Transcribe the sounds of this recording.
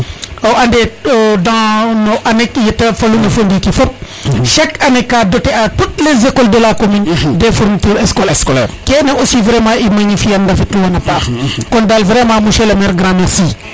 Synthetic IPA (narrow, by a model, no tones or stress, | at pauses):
oʔandeodãnoʔanɛkjetafalunafondikifɔp̚ | ʃɛkanɛkːadotɛatut̚lezekɔldəlakomindefuɾmituːɾɛskɔlkɛnaʔosivɾɛmãːimaɲifijandafituwanapaːɾkɔndalvɾɛmãmuʃɛlamɛɾɡɾãmɛɾsiː